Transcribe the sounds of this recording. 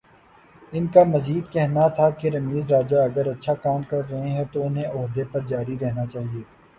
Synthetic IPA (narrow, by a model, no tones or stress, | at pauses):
ɪnkamɐziːd̪kɛɦnat̪ʰakeɾɐmiːzɾaːd͡ʒaɐɡəɾɐtːʃʰakaːmkɐɾːɐɦẽɦɛ̃t̪oʊnɦẽʔɔɦd̪epɐɾd͡ʒaːɾiɾɛɦnat͡ʃaːɦieː